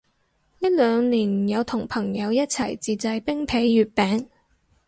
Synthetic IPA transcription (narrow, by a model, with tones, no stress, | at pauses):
ni˥lœː˨˧ŋniː˨˩njɐ˨˧wt̪ʰʊ˨˩ŋpʰɐ˨˩ŋjɐ˨˧wjɐ˥t̚t͡sʰɐ˨˩jt͡siː˨˧t͡sɐ˧jpɪ˥ŋpʰe˨˥jːyː˨˧t̚pɛː˨˥ŋ